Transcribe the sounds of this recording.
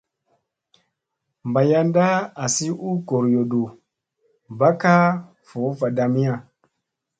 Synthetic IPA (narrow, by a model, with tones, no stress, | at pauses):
mba˨ja˦nda˦a˨si˦ʔu˦ɡo˨ɾjo˨ɗo˨ | ba˦ka˦ | fo˨˦va˨da˨mi˦ja˦˨